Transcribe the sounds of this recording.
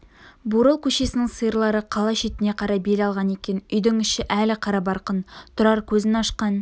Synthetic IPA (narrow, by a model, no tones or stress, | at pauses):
buɾəlˠkʲʰɵʃe̞sɪnɪŋsəjəɾlˠɑɾəqʰɑlˠɑʃe̞t̪ɪneqʰɑɾɑbe̞lɑlˠʁɑne̞kʲe̞nʏjd̪ɪŋʏʃɪʔælɪqʰɑɾɑbɑɾqənt̪ʰʊɾɑɾkʲʰɵzɪnɑʃqɑn